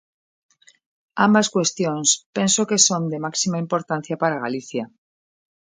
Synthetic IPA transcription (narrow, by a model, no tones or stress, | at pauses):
ambaskwest̪jõŋspensokesond̪emaksimaĩmpoɾt̪ãn̟θjapaɾaɣaliθja